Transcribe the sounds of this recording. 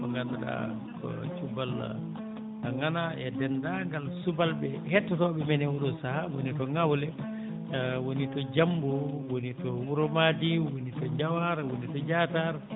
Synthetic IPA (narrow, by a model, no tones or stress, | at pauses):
maŋɡanaɗa̰ | kʰɔ̰t͡ʃubal | aŋanaɛdɛndaŋɡalsubalbɛhɛtːɔtɔɓɛmɛnɛwuɗɔsahawonitɔŋawlɛ | wonitɔd͡ʒambuwonitɔwuɾɔmadiwonitɔd͡ʒawaɾwonitɔd͡ʒataɾ